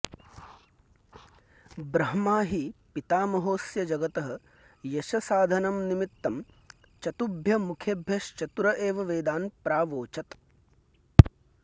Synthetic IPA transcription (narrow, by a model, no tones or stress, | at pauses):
bɾɐɦɐmaːɦipit̪aːmɐɦoːsjɐd͡ʒɐɡɐt̪ɐɦɐ̆ | jɐʃɐsaːd̪ʱɐnɐmnimit̪ːɐm | t͡ʃɐt̪ubʱjɐmukʰjeːbʱjɐʃt͡ʃɐt̪uɾɐʔeːʋɐʋeːd̪aːnpɾaːʋoːt͡ʃɐt̪